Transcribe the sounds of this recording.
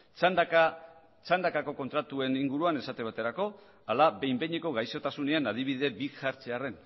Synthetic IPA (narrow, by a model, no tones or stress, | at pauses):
and̪ | t͡sand̪akako̞ko̞nt̪ɾat̪ue̞niŋɡuɾuane̞sat̪e̞β̞at̪e̞ɾako̞ | alabe̞jmbe̞ɲeko̞ɣajso̞t̪asune̞anaðiβið̞e̞bixaɾt͡seare̞n